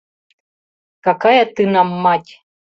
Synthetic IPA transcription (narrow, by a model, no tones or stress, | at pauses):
kakajat̪ɨnamːatʲ